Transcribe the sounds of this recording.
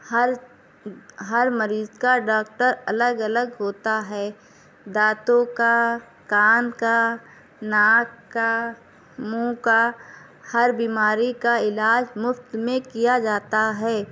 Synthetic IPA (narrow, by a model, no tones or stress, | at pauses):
həɾ | ɦəɾməɾiːzkaɖaːkʈəɾɐləɡɐləɡɦoːt̪aɦɛː | d̪aːt̪õka | kaːnka | naːkkːa | mũːka | hɐɾbiːmaːɾikaɪlaːd͡ʒmʊft̪mẽkijad͡ʒaːt̪aɦɛː